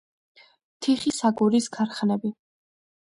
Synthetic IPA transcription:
t̪ʰiχisaɡuɾiskʰaɾχnɛbi

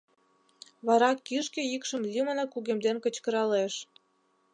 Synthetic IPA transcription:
βɑɾɑkːiʃkĕjikʃə̆mlʲimənɑkuɣemd̪enkə̆t͡ɕkə̆ɾɑleʃ

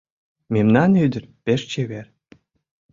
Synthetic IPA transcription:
mʲemnɑnyd̪ʲɘ̆rʲpʲeʂt͡ɕeβʲerʲ

